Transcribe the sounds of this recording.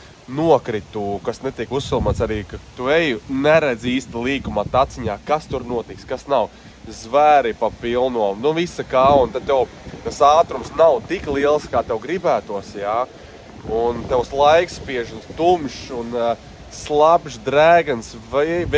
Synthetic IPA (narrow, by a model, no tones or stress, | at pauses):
nuɔkɾit̪uːkasnet̪ikusːilˠmaːt̪saɾiːkat̪uejnɛɾɛd̪ziːst̪alˠiːkumat̪at̪siɲaːkast̪uɾnuɔt̪ikskasnaw | zvæɾipapilˠnuɔnuvisakaːunt̪ad̪̚t̪ːew | t̪asaːt̪ɾumsnawt̪iklˠiɛlˠskaːt̪ewɡɾibæːt̪uɔsjaː | unt̪ewslˠajkspiɛʒunst̪umʃun | slˠabʒd̪ɾæːɡɨnsv